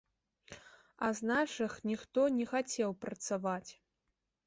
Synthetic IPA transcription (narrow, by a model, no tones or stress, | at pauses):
ɐ̰znaʂɨxnʲixt̪ɔnʲɛxat͡sʲɛwpɾɐt̪savat͡sʲ